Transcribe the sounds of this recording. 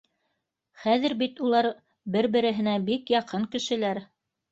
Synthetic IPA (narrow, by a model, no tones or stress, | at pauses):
χæðɘ̆ɾbit̪ulˠɑɾ | bɘɾbɘ̆ɾɘ̆ɦɘ̆næbikjɑqɤŋkɘ̆ʃɘ̆læɾ